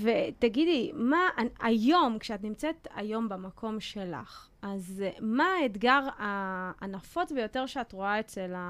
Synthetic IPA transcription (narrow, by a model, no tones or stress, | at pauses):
vetaɡidlimaajo̞mkʃeat̬nimt͡set̪a̰jo̞mbamakʰo̞mʃe̞la̰χ | ʔazmaːetɡaʁaːnafo̞t͡sbejo̞teʁʃeatʁo̞aet͡sela